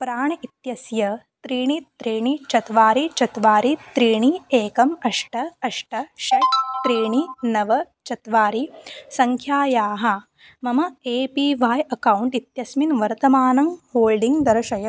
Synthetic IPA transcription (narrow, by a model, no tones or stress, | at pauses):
pɾaːɳɐit̪jɐsjɐt̪ɾiːɳit̪ɾiːɳit͡ʃɐt̪ʋaːɾit͡ʃɐt̪ʋaːɾit̪ɾiːɳieːkɐmɐʂʈɐɐʂʈɐʃɐjt̪ɾiːɳinɐʋɐ | t͡ʃɐt̪ʋaːɾisɐŋkʰjaːjaːɦɐ̆ | mɐmɐeːpiːʋaːjɐkɐwuɳʈit̪jɐsminʋɐɾt̪ɐmaːnɐmhoːlɖiŋɡd̪ɐɾɐʃɐjɐ